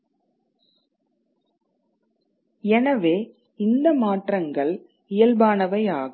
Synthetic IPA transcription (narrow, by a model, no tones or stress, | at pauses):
ɛnɐʋeː | ɪnd̪ɐmaːʈrɐŋɡɐɭ | ɪjɐlbaːnɐʋɐɪaːɣɐ